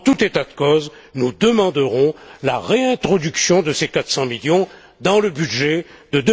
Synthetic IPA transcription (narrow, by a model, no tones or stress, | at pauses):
t̪ut̪et̪ad̪əkɔz | nud̪əmɑ̃d̪əʁɔ̃laʁeɛ̃t̪χɔd̪yksjɔ̃d̪əsekat̪sɑ̃miljɔ̃ | d̪ɑ̃ləbyd̪ʒɛd̪əd̪